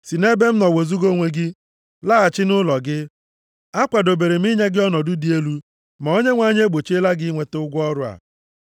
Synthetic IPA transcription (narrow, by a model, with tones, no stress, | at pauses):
si˨ne˦be˦m̩˦nɔ˨we˨zu˦ɡo˦ŋʷe˦ɡɪ˦ | la˦a˨t͡ʃɪ˦nʊ˦lɔ˨ɡɪ˦ | a˦kʷa˨do˨be˨ɾe˨m˦i˦ɲe˦ɡɪ˦ɔ˦nɔ˨dʊ˦di˨e˦lu˦ | ma˨o˦ɲe˦ŋʷa˨˦˨ɲe˦ɡ͡bo˨t͡ʃe˦la˦ɡɪ˦ŋʷe˨te˦ʊ˦ɡʷɔ˦ɾʊ˦a̰˨